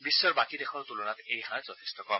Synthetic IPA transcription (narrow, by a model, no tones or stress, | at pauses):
bisːɔɹbakidɛxɔɹt̪ulunat̪ejhãzɔt̪ʰi̥stɔkɔm